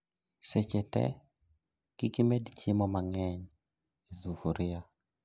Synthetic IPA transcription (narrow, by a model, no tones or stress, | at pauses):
set͡ʃɛtɛ̰ | kikimedit͡ʃimɔmaŋɛɲ | ezuhuɾɪa